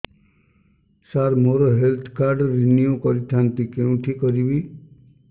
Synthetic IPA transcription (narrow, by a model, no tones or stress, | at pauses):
saɾmoɾɔɦelt̪ʰkaɾɖːiniokɔɾit̪ʰant̪ikeũʈʰikɔɾibi